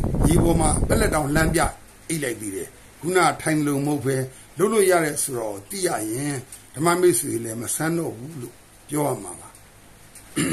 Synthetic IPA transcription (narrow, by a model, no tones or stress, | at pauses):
jebɔm̥a̰pɛʔlɛtːãʊ̃l̥ãmpja̰ | eɪʔlaɪt̪iɾɛ | ɡ̥una̰tʰãɪ̃nəloməhopʰɛ | loʊʔlːoja̰ɾɛsoɾaot̪ḭja̰jɪ̃ | d̥əma̰meselɛməsʰãndɔ̰bulo̰ | pjɔa̰maba